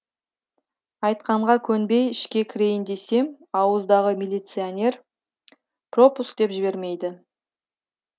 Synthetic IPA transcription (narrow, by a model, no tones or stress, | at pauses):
ɑjt̪̚qɑɴʁɑkʲʰɵnbe̞jɪʃkʲe̞kʲʰɪɾe̞jɪnd̪e̞se̞m | ɑwəzd̪ɑʁəmʲelʲijt̪sɨanʲe̞r | pro̞puskd̪e̞pʒɪbe̞ɾme̞jd̪ɪ